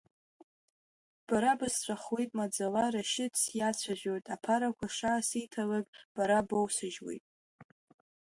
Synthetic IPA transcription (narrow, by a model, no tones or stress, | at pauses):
b̥aɾabɨst͡sʷʰʼaχwejtʼmad͡zalaɾaʃɪt͡sjat͡sʷʰaʒᶣo̞jtʼapʰaɾakʷaʂaːsijtʰalakʼb̥aɾabowsɨʒwḛjtʼ